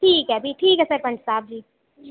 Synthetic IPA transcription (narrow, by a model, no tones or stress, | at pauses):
ʈʰiːkɦɛbʱiʈʰiːkɦɛːsəɾpɐɳʈsaːb̚d͡ʒiː